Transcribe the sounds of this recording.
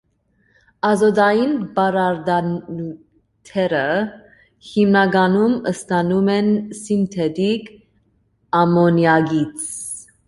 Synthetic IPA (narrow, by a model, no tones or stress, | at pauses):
ɑzɔd̪ɑjinbɑɾɑɾd̪ɑnnu | t̪ʰɛɾə | himnɑɡɑnuməst̪ɑnumɛnsint̪ʰɛd̪ik | ɑmɔnjɑɡit͡sʰ